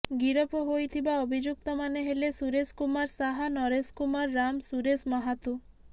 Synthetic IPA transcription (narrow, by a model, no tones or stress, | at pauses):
ɡiɾopoɦojt̪ʰibaobʱid͡ʒuk̚t̪ɔmaneɦelesuɾeskumaɾsaɦanɔɾeskumaɾːamsuɾesmɔɦat̪u